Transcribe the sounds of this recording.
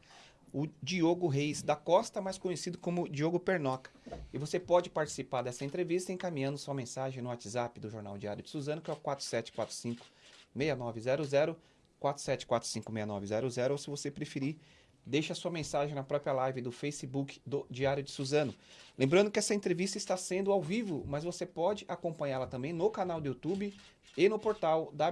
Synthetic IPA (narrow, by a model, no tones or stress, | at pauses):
ʊd͡ʒioɡʊɦejzd̪ɐkɔst̪ɐmajskõɲesid̪ʊkõmʊd͡ʒioɡʊpeɾnɔkɐ̥ɪvosepɔd͡ʒɪpaɾt͡ʃi̥sipaɾd̪ɛsɐẽnt̪ɾevist̪ɐẽkamĩɲɐ̃nd̪ʊsuɐmẽsaʒẽj̃nʊat͡ʃɪzapɪd̪ʊʒoɾna̰wd͡ʒia̰ɾjʊd͡ʒɪ̥suzɐ̃nʊkɪɛwkwat̪ɾʊ̥sɛt͡ʃɪ̥kwat̪ɾʊ̥sĩkʊ̥mejɐnɔvɪzɛɾʊzɛɾʊ | kwat̪ɾʊ̥sɛt͡ʃɪ̥kwat̪ɾʊsĩŋkʊmejɐnɔ̰vɪzɛɾʊzɛɾʊosɪvosepɾefiɾi | d̪ejʃɐsuɐmẽsaʒẽj̃nɐpɾɔpɾijɐlajvɪd̪ʊfejsɪbukɪ̥d̪ʊd͡ʒiaɾjʊd͡ʒɪsuzɐ̃nʊlẽmbɾɐ̃nd̪ʊkɪɛsɐẽnt̪ɾevist̪ɐɪst̪asẽnd̪ʊawvivʊmɐzvosepɔd͡ʒɪʔakõmpɐ̃ɲaɾlɐt̪ɐ̃bẽj̃nʊkanawd̪ʊut̪ubɪ | ɪnʊpoɾt̪awd̪a